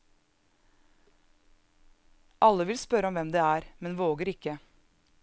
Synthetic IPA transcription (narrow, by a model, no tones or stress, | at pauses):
ʔɑlːəʋɪlspœɾəɔmʋɛmd̪ɛːæːɾmɛnʋoːɡəɾɪkə